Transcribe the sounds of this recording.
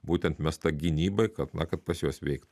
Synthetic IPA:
buːt̪ʲɛnt̪mʲɛst̪ɐɡʲɪnʲiːbɐɪkɐt̪nɐkɐt̪̚pɐsjoːsʋʲɛɪkt̪

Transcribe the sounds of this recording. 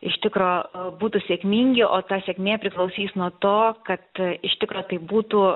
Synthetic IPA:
ɪʃt̪ʲɪkɾoːbuːt̪usʲeːkmʲiːŋʲɡʲɪʔoːt̪ɑːsʲeɛkmʲeːpʲɾʲɪklˠɐʊsʲiːsnuɔt̪oːkɐt̪ɪʃt̪ʲɪkɾoːt̪ɐɪbuːt̪uː

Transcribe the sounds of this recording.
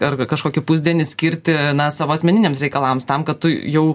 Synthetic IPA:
ɐrkɐʃkoːkʲɪpʊzʲd̪ʲiɛnʲɪsʲkʲɪɾʲt̪ʲɪnɐsɑːʋoːɐsʲmʲɛnʲɪnʲeːmsɾʲɛɪkɐlˠɐːmst̪ɐmkɐt̪t̪ʊjɛʊ

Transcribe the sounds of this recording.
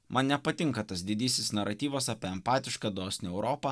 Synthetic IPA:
mʔɐnnʲɛpɐt̪ʲɪŋkɐt̪ɐsd̪ʲɪd̪ʲiːsʲɪsnɐɾɐt̪ʲiːʋɐsɐpʲeːɛmpɑːt̪ʲɪʃkɐd̪oːsʲnʲɪɛʊɾoːpɐ

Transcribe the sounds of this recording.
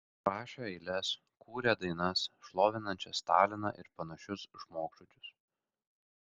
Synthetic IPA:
ɾɑːʃʲɛɛɪlʲɛs | kuːɾʲeːd̪ɐɪnɐsʃlˠoːʋʲɪnɐnʲt͡ʃʲɛst̪ɑːlʲɪnɑ̰ːʔɪɾpɐnɐʃʲʊsʒmoːkʃʊt͡ʃʲʊs

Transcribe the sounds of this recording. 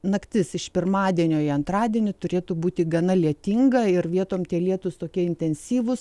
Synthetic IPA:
nɐkt̪ʲɪsɪʃpʲɪrmɑːd̪ʲiɛnʲoːɪɐnt̪ɾɑːd̪ʲiɛnʲɪt̪ʊɾʲeːt̪ʊbuːt̪ʲɪɡɐnɐlʲiɛt̪ʲiŋɡɐɪɾʋʲiɛt̪oːmt̪ʲiɛlʲiɛt̪ʊst̪oːkʲiɛɪnʲt̪ʲɛnʲsʲiːʋʊs

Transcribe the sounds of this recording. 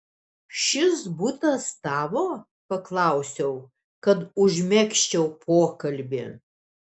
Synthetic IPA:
ʃʲɪsbuːt̪ɐst̪ɑːʋoː | pɐklˠɑʊsʲɛʊ | kɐt̪ʊʒʲmʲɛkʃʲt͡ʃʲɛʊpʰoːkɐlʲbʲɪ

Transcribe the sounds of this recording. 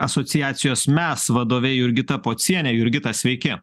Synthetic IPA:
ɐsɔt̪sʲɪjæːt̪sʲɪjoːsmʲɛsʋɐd̪oːʋʲɛjʊɾʲɡʲɪt̪ɐpoːt̪sʲiɛnʲɛjʊɾʲɡʲɪt̪ɐsʲʋʲɛɪkʲɪ

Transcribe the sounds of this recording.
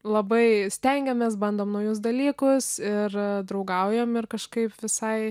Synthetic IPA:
lˠɐbɐɪsʲt̪ʲɛŋʲɡʲɛmʲɛsbɐnd̪oːmnɐʊjʊs̬d̪ɐlʲiːkʊsɪrd̪ɾɐʊɡɐʊjɛmɪrkɐʃkɐɪpʋʲɪsɐɪ

